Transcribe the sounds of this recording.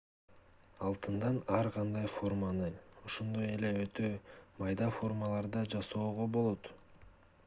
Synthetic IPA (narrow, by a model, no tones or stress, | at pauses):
ɑlˠt̪ɯnd̪ɑnɑɾʁɑnd̪ɑjfo̞rmanɯoʃond̪o̞je̞le̞øt̪ʰømɑjd̪ɑfo̞rmalˠɑɾd̪ɑd͡ʒɑso̞ːʁo̞bo̞lˠo̞t̪